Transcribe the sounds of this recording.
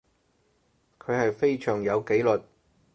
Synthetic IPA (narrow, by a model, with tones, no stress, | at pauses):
kʰɵ˨˧ɥhɐ˨jfe˥jsʰœː˨˩ŋjɐ˨˧wke˨˥jlɵ˨t̚